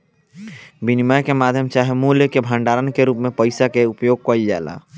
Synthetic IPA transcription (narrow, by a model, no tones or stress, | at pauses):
binimajkemad̪ʱjəmt͡ʃaɦimuljkebʱə̃ɳɖaːɾənkeɾuːpmẽpəɪsakeupjoɡ̚kəild͡ʒa̰ːla̰